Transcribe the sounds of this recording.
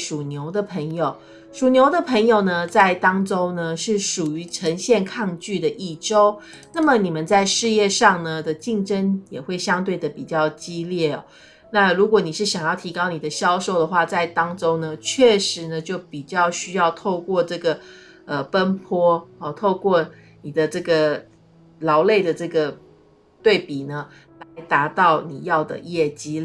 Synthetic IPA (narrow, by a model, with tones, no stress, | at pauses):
ʂu˨˩njo˧˥ʊd̪ə˨pʰə˧˥ŋjo˨˩ʊ | ʂu˨˩njo˧˥ʊd̪ə˨˧pʰə˧˥ŋjo˨˩ʊnə˩t͡sa˥˩ɪt̪ɑ˥ŋʈ͡ʂo˥ʊnə˨ʂɻ̩˥˩ʂu˨˩y˧˥ʈ͡ʂʰə˧˥ŋɕjɛ˥˧nkʰɑ˥˧ŋt͡ɕy˥˩d̪ə˩ʔi˥˩ʈ͡ʂo˥ʊ | na˥˩mə˩˨ni˨˩mə˨nt͡sa˥˧ɪʂɻ̩˥˧jɛ˥˧ʂɑ˥˧ŋnə˩d̪ə˨t͡ɕi˥˧˩ŋʈ͡ʂə˦njɛ˨˩xwe˥˩ɪɕjɑ˥ŋt̪we˥˩ɪd̪ə˩pi˨˩t͡ɕjɑ˥˩ʊt͡ɕi˥ljɛ˥˩ɐ̰˩ | na˥˧ɻu˧˥kwɔ˧˩ni˨˩ʂɻ̩˥˩ɕjɑ˨˩ŋjɑ˥˩ʊt̪ʰi˧˥kɑ˥ʊni˨˩d̪ə˦ɕjɑ˥ʊʂo˥˩ʊd̪ə˩xwa˥˧t͡sa˥˩ɪt̪ɑ˥ŋʈ͡ʂo˥ŋnə˨t͡ɕʰɥɛ˥˩ʂɻ̩˧˥nə˧t͡ɕjo˥˩ʊpi˨˩t͡ɕjɑ˥˧ʊɕy˥jɑ˥˧ʊt̪ʰo˥˧ʊkwɔ˥˧ʈ͡ʂɤ˥˩ɡə˩ | ə˩pə˥npʰwɔ˥ə˨˩t̪ʰo˥˧ʊkwɔ˥˩ | ni˨˩d̪ə˦ʈ͡ʂɤ˥˩ɡə˩ | lɑ˧˥ʊle˥˩ɪd̪ə˩ʈ͡ʂɤ˥˩ɡə˩ | t̪we˥˩ɪpi˨˩nə˦ | la˧˦˥ɪt̪a˧˥t̪ɑ˥˩ʊnḭ˨˩jɑ˥˩ʊd̪ə̰˩jɛ˥˩t͡ɕi˥